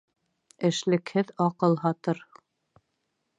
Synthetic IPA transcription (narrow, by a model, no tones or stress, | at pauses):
ɘ̆ʃlɘ̆khɘðɑqɤlˠɦɑt̪ɤɾ